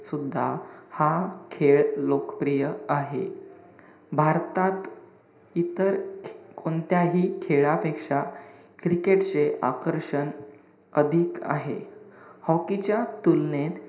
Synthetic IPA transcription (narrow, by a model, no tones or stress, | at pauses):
sud̪ʱːahakʰeɭlokəpɾijəaɦḛ | bʱaɾt̪at̪ | it̪əɾkont̪jaɦiːkʰeɭapekʂa | kɾikeʈt͡seʔa̰kəɾʂən | əd̪ʱiːka̰ɦḛhɔkit͡ɕjat̪ulnet̪